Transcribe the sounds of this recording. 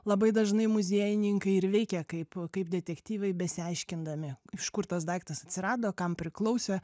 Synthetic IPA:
lˠɐbɐɪd̪ɐʒnɐɪmʊzʲiɛjɪnʲɪŋkɐɪɪɾʋʲɛɪkʲɛkɐɪpkɐɪpd̪ʲɛt̪ʲɛkt̪ʲiːʋɛɪbʲɛsʲɪɐɪʃʲkʲɪnd̪ɐmʲɪɪʃkʊrt̪ɐsd̪ɐɪkt̪ɐsɐt̪ʲsʲɪɾɑːd̪oːkɐmpʲɾʲɪklˠɐʊsʲe

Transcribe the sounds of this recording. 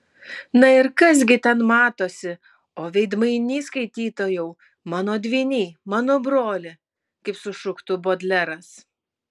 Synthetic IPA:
nɐɪɾkɐs̬ɡʲɪt̪ʲɛnmɑːt̪oːsʲɪ | oːʋʲɛɪd̪mɐɪnʲiːskɐɪt̪ʲiːt̪oːjɛʊ | mɑːnoːd̪ʲʋʲiːnʲiːmɑːnoːbɾoːlʲɪ | kɐɪpsʊʃʊkt̪ʊboːd̪ʲlʲɛɾɐs

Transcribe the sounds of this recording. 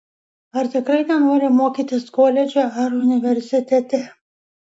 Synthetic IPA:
ɐɾt̪ʲɪkɾɐɪnʲɛnoːɾʲɪmoːkʲiːt̪ʲɪskoːlʲɛd͡ʒʲoːɐɾʊnʲɪʋʲɛɾʲsʲɪt̪ʲɛt̪ʲɛ

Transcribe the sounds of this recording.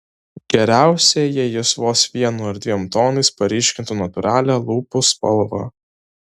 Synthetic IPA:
ɡʲɛɾʲæˑʊsʲejɛjɛsʋoːsʋʲiɛnuːɐɾd̪ʲʋʲimt̪oːnɐɪspɐɾʲiːʃʲkʲɪnt̪uːnɐt̪ʊɾɑːlʲæːlˠuːpʊspɐ̰lˠʋɑ̰ː

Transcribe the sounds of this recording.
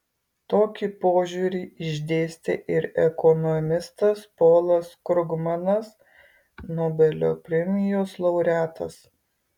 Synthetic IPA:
t̪oːkʲipoːʒʲuːɾʲiːɪʒʲd̪ʲeːsʲt̪ʲeʔɪɾɛkɔnɔmʲɪst̪ɐspoːlˠɐskɾʊɡmɐnɐs | noːbʲɛlʲo̰ːpʲɾʲɛmʲɪjoːslˠɐʊɾʲæːt̪ɐ̰s

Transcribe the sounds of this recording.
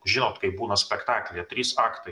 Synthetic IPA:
ʒʲɪnoːt̪kɐɪp̚buːnɐsʲpʲɛkt̪ɑːklʲeːt̪ʲɾʲiːsɑːkt̪ɐɪ

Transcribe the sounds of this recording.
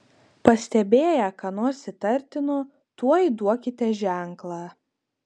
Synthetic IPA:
pɐsʲt̪ʲɛbʲeːjækɐnoːɾsʲɪt̪ɐɾʲt̪ʲɪno | t̪uɔid̪uɔkʲɪt̪ʲɛʒʲæˑŋklˠɑː

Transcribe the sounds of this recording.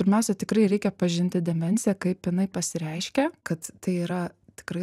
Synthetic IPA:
pʲɪɾʲmʲɛʊsʲɛt̪ʲɪkɾɐɪɾʲɛɪkʲɛpɐʒʲɪnʲt̪ʲɪd̪ʲɛmʲɛnʲsʲɪjɛkɐɪpjɪnɐɪpɐsʲɪɾʲɛɪʃʲkʲɛkɐt̪t̪ɐɪiːɾɐt̪ʲɪ̥kɾɐɪ

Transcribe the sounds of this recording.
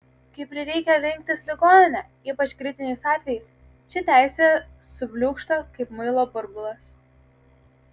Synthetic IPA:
kɐɪpɾʲɪɾʲɛɪkʲɛɾʲɪŋʲk̚ʲt̪ʲɪslʲɪɡoːnʲɪnʲɛ | iːpɐt͡ʃkɾʲɪt̪ʲɪnʲɛɪsɑːt̪ʲʋʲɛjɛɪs | t͡ʃʲɪt̪ʲæˑɪsʲeːsʊbʲlʲuːkʃt̪oːkɐɪpmɐɪlˠoːpʊɾbʊlˠɐs

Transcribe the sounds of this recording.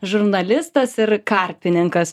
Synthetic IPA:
ʒʊɾnɐlʲɪst̪ɐsɪɾkɑˑɾʲpʲɪnʲɪŋkɐs

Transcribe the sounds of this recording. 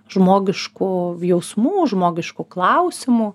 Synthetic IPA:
ʒmoːɡʲɪʃkʊjɛʊsmuːʒmoːɡʲɪʃkʊklˠɐʊsʲɪmʊ

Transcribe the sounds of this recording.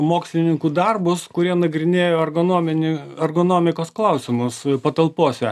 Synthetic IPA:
moːksʲlʲɪnʲɪŋkuːd̪ɐrbʊskʊɾʲiɛnɐɡɾʲɪnʲeːjoːɐrɡonoːmʲɪnʲɪɐrɡonoːmʲɪkoːsklˠɐʊsʲɪmʊspɐt̪ɐlˠpoːsʲɛ

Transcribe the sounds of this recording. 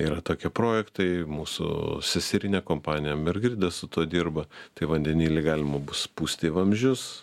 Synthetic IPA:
iːɾɐt̪oːkʲiɛpɾoːjɛkt̪ɐɪmuːsʊ̰sʲɛsʲɪɾʲɪnʲɛkoːmpɑːnʲɪjɛmʲɛrɡɾʲɪd̪ɐsʊt̪uɔd̪ʲirbɐt̪ɐɪʋɐnʲd̪ʲɛnʲiːlʲɪɡɑːlʲɪmɐbʊspuːsʲt̪ʲɪʋɐmʲʒʲʊs

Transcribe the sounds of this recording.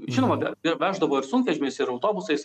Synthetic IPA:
ʒʲɪnoːmɐbʲɛɪɾʋʲæːʒd̪ɐʋoːɪɾsʊŋkʋʲɛʒʲɪmʲɛɪsɪɾɐʊt̪oːbʊsɐɪs

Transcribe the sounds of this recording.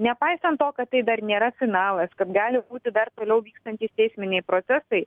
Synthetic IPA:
nʲɛpɐɪsɐnt̪tːoːkɐt̪t̪ːɐɪd̪ɐɾnʲeːɾɐsʲɪɡnɑːlˠɐskɐt̪ɡɑːlʲɪbuːt̪ʲɪd̪ɐrt̪oːlʲɛʊʋʲiːkst̪ɐnʲt̪ʲiːst̪ʲɛɪsʲmʲɪnʲɛɪpɾoːt̪sʲɛsɐɪ

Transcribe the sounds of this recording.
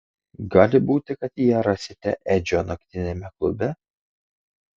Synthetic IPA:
ɡɑːlʲɪbuːt̪ʲɪkɐt̪jɛɾɐsʲɪt̪ʲɛʔɛd͡ʒʲonɐkt̪ʲɪnʲɛmʲɛklˠʊbʲɛ

